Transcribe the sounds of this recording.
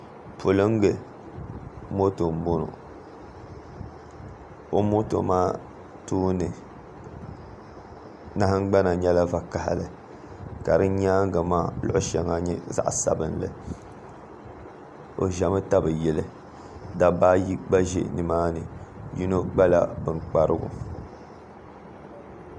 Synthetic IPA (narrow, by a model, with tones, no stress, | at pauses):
po˨lɨ˦ŋ˦ɡɨ˨ | mo˦to˨m̩˦bo˦no̰˨ | o˦mo˦to̰˨maː˦ | tuː˦nɨ˨ | na˦hɨ˦ŋ˦ɡ͡ba˦na˨ɲɛ˦la˦va˨ka˨ha̰˨lɨ˨ | ka˨ɾɨ˦ɲaː˦ŋ˦ɡa˨maː˦˨lʊ̰˦ʔʊ˦ʃɛ˨ŋa˦ɲɛ˦za̰˦ʔsa̰˨bɨ˦nlɨ̰˦ | o̰˨ʒa˨mɨ˦ta˦bɨ˨jɛ˨lɨ˦ | da˦ba˦ji˦ɡ͡ba˦ʒḛ˦nɨ˨maː˦nɨ˨ju˦no˦ɡ͡ba˦la̰˦˨bɨ˨ŋk͡pa˦ɾɨ˦ɡʊ̰˨